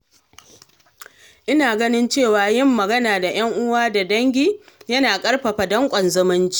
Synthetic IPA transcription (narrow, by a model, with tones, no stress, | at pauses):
ʔɪ˦naː˨ɡɐ˦nɪ˦nt͡ʃeː˦˨waː˨jɪ˦˨mːɐ˨ɡɐ˦naː˨da˨j̰ɐ˦ŋʔʊ˦waː˦da˨dɐ˦ŋɡʲiː˦jɐ˦naː˨kʼɐ˦rɸɐ˨ɸa˨dɐ˦ŋkʷʼɔ˨nzɐ˦mɪ˦nt͡ʃi̥˦